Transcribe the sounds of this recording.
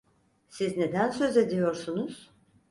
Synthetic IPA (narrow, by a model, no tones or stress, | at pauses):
sizne̞d̪ænsø̞ze̞d̪ijo̞ɾsunuz̥